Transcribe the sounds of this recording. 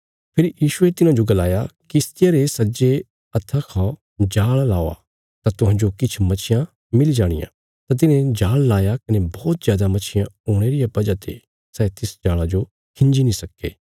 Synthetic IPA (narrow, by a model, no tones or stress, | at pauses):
pʰɪɾjiːʃʊet̪ɪnãd͡ʒoɡɐlaːjakist̪ɪjaɾesɐd͡ʒe | ɐt̪ʰːakʰã | d͡ʒaːɭlaːoa̰ | t̪at̪ʊɦãːnd͡ʒokɪt͡ʃʰmɐt͡ʃʰɪjã | mɪld͡ʒaːɽ̃ɪ̰jã̰ | t̪at̪̬ɪnẽd͡ʒaːɭlaːjakɐnebɔːt̪zjaːd̪amɐt͡ʃʰɪjãoːɽ̃eɾɪjapɐd͡ʒat̪ḛ | sɛːt̪ɪsd͡ʒaːɭad͡ʒo | kʰɪ̃ɲd͡ʒinĩsɐkːḛː